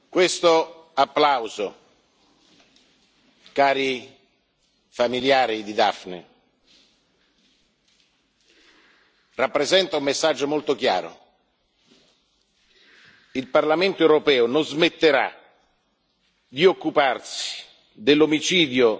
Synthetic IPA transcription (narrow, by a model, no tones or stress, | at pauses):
kwest̪o | apːlawzo | kaːɾi | familjaːɾid̪id̪a̰fnḛ | rapːɾezɛnt̪aumːesːad͡ʒːomolt̪ok̟ja̰ːɾo̰ | ilparlament̪oewɾopɛːʊnozmet̪ːeɾa̰ | d̪iokːuparsi̥ | d̪elːomit͡ʃiːd̪jo